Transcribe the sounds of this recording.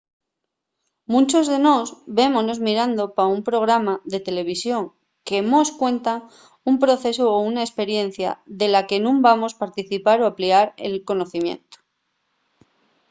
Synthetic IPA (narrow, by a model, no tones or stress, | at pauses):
mũnt͡ʃozðe̞no̞sbe̞mono̞zmiɾand̪o̞paumpɾo̞ɣɾamaðe̞t̪e̞le̞β̞isjo̞ŋ | ke̞moskwẽ̞nt̪a | umpɾo̞θe̞soːunaespe̞ɾje̞n̟θja̰ðe̞lake̞nũmbamo̞spaɾt̪iθipaɾoapliaɾḛlko̞no̞θimjẽ̞̰nt̪o̥